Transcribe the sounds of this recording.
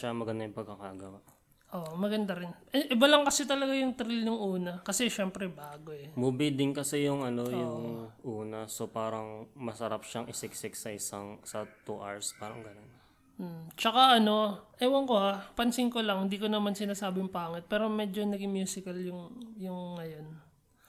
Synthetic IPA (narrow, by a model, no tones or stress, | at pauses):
ʃamɐɡɐnd̪ajʊŋpɐɡ̚kːɐkaɡɐwaʔ | ʔoʔmɐɡɐnd̪ɐɾɪnʔɛʔɪbalɐŋkɐsɪt̪ɐlɐɡajʊŋt̪ɾɪlnʊŋʔuːnɐkɐsɛʃɛmpɾɛbaːɡo̞ɛmubɪd̪ɪŋkɐsijʊŋɐno̞jʊŋʔuːnɐsopaːɾɐŋmɐsɐɾapʃaŋʔɪsɪksɪksɐʔɪsaŋsɐt̪uʔa̰ɹspaːɾɐŋɡɐnon | m̩t͡ʃɐkaɐno̞ʔɐwɐŋko̞hapɐnsɪŋkolɐŋhɪnd̪iːkonɐmansɪnaːsaːbɪjŋpaːŋɪt̪̚pɛːɾo̞mɛd͡ʒonɐɡɪmjuːsɪkɐljʊŋjʊŋːɐjo̞n